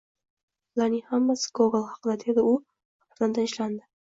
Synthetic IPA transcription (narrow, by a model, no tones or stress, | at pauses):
lanihamːasɪ̥ɡoɡlˠhɑqʰɨd̪ad̪e̞d̪ɪʊ | ɾzand̪anɪʃland̪ɪ